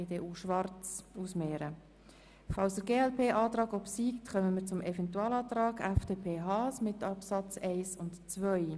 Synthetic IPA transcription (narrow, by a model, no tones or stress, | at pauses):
edeʔuʃʋɑɾt͡susmeːɾə | fɑlsəɡeːɛlpʰeːʔɑːt̪ɾɑːɡɔbsiːktχœməmiːɾt͡sʊmɛfɛntuɑːlɑːt̪ɾɑːɡɛfd̥eːpʰeːɦɑːsmɪtɑpsɑt͡sɛɪsʊntt͡svœj